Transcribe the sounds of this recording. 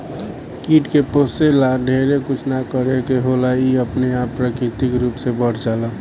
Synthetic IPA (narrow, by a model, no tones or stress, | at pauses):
kiːʈkeposelaɖʱeːɾekʊt͡ʃʰnakəɾekeɦolaiəpneapːɾəkɾɪt̪ɪkɾuːpsebəʈʰd͡ʒala